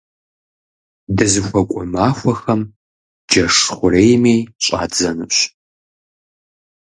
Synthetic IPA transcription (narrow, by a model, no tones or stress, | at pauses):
dɨzɨxʷɔkʷʼɔmaːfʷɐxɐm | d͡ʒɐʂχʷʊreːjmeːjɕʼa̰ːd͡zɐnɨɕ